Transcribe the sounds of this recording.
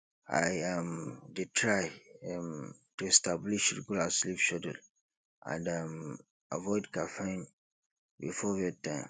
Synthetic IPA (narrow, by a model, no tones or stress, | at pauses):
a̰ɪamditʰɹaɪam | tuɛstabliʃɹiɡulaslipʃɔdə̰l | ʔã̰ndam | ʔa̰vɔɪdkafẽn | bḭfɔvɛtãɪ̃m